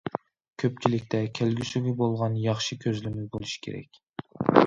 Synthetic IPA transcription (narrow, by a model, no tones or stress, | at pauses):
kʲʰøp̚t͡ʃʰilɪkʲt̪ʰɛkʲʰælɡʲysyɡʲɪbolˠʁɑnjɑχʃikʲʰøzlɪmyzbolˠuʃi̥kʲʰḛɾɛ̰kʲ